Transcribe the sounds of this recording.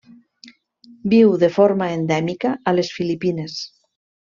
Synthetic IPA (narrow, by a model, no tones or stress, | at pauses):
biwðefoɾmaend̪ɛmikaːlesfilipines